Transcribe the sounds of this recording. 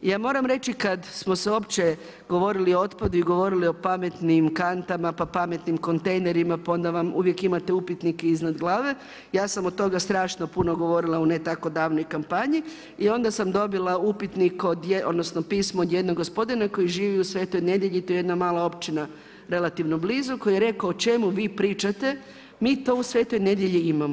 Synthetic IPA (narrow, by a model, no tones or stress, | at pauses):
jaːmo̞ːɾamɾe̞t͡ʃikad̪smo̞seo̞ːpt͡ʃe̞ | ɡ̥o̞ʋo̞ɾilioot̪pad̪uiɡo̞ʋo̞ɾilio̞pame̞t̪nimkant̪amapapame̞t̪nimko̞nt̪e̞jneɾimapao̞nd̪aʋamṵʋje̞kimat̪e̞upit̪nikeiznad̪ɡlˠaːʋe̞ | jaːsamot̪o̞ɡast̪ɾaːʃno̞puno̞ɡo̞ʋo̞ɾilˠaunet̪ako̞d̪aːʋno̞jkampaɲi | io̞nd̪asamd̪o̞bilˠaupit̪nikod̪jeʔo̰d̪nosnopiːsmoːd̪jed̪noɡospo̞d̪inako̞jiʒiːʋiusʋe̞ːt̪o̞jne̞d̪jeʎit̪oje̞d̪namaːlˠao̞pt͡ʃina | ɾe̞lat̪iʋno̞bliːzuko̞jijeɾe̞kaoot͡ʃe̞muʋiːpɾiːt͡ʃat̪e̞ | miːt̪o̞ːusʋeːt̪o̞jne̞d̪je̞ʎiimamo